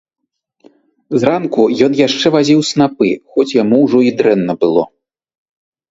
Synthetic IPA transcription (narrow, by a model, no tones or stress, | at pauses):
zrankujɔnjaʂt͡ʂɛvazʲiwsnapɨxɔt͡sʲjamuwʐɔid̪ɾɛnːɐbɨlˠɔ̰